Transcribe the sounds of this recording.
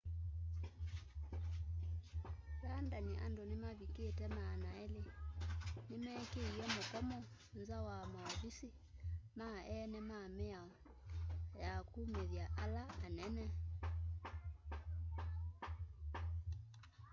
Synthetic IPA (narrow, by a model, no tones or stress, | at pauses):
ɾandaniʔa̰ndonemaβiketɛmanaɛle | nemɛkeiɛmokɔmɔ | nzawamaɔβisi | maʔɛnɛmamɛa | jakuːmeðjaʔalaːnɛnɛ